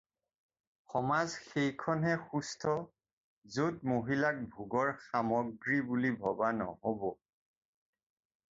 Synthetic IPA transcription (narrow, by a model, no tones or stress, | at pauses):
xɔmazxejkʰɔnɦɛxustʰɔ | zutmoɦilak̚bʱuɡɔɹxamɔɡɹibulibʱɔbanɔ̰hɔbɔ